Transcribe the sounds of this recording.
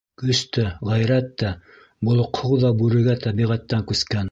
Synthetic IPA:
kɵst̪æʁæjɾæt̪ːæ | bŏlˠŏqhowðɑbʉɾɘ̆ɡæt̪æbiʁæt̪ːæŋkʉskæn

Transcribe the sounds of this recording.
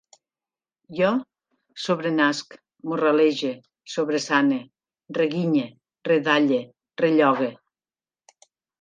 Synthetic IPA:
jɔ | soβɾenask | muraleʒe | soβɾesane | reɣiɲe | reðaʎe | reʎɔɣe

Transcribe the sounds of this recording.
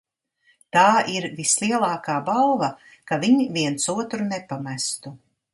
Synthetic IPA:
t̪aːʔiɾvislˠiɛlˠaːkaːbalˠvɐ | kaviɲiviɛnsuɔt̪ɾunepamæst̪u

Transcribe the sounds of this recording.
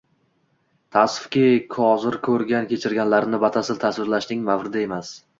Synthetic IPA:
t̪ʰasfkʲekʲʰɒɒzɪɾkʰɵɾɡʲankʲʰe̞t͡ʃʰɪɾɡʲanlaɾnɪbat̪ʰasɪlt̪ʰaswɪɾlaʃnɪŋmavɾɪd̪ae̞mas

